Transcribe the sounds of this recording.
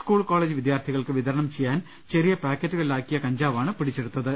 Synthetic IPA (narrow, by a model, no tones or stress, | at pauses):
skuːɭko̞ːɭeːd͡ʑɨʋid̪jaːrt̪ʰiɣɐɭkɨʋiðʱɐɾɐɳɐmt͡ɕejːaːn | t͡ɕerijɐpaːkːɐtːuɣɐɭlaːkːijɐkɐɲd͡ʑaːʋaːɳɨpiɽit͡ɕːeɽut̪ːɐðɨ